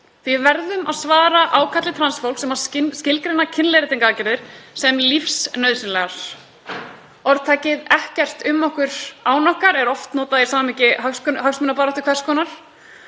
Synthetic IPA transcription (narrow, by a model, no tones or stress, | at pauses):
θvɪvɛɾðʏmaðsvaːɾaʔaːwkʰat̪lɪt̪ʰɾansfowl̥ksɛmhaɾsscɪlkɾenacʰɪnleɾɪt̪ʰeŋkaacɪɾðɪɾ̥sɛmlifsnœɥðsɪnlɛɣaɾ̥ | ɔɾðt̪ʰaːcɪðɛhcɛr̥t̪ʏmːɔhkʏɾ̥aːwnɔhkaɾɛɾɔft̪nɔːt̪aðjɛsaːmamɛhcɪɦœskɦœxsmʏnapaːɾɔht̪ɪ̥kʰvɛr̥skɔːnaɾ̥